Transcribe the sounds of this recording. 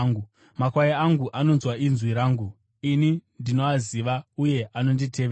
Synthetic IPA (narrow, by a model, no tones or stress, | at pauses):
ɡu | makwajiaŋɡuʔano̞nzwainzwiɾaːŋɡu | inindino̞aziʋauje̞ʔano̞nditʰe̞ʋe